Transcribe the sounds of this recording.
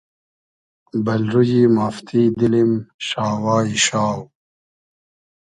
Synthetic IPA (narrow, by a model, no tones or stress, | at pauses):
bɐlɾujimaːft̪ʰiːd̪ilimʃaːwaːiɕaːw